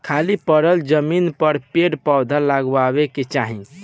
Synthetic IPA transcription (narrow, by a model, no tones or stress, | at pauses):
kʰalipəɾəld͡ʒəminpəɾpeɽpawd̪ʱalaɡaβeket͡ʃaɦi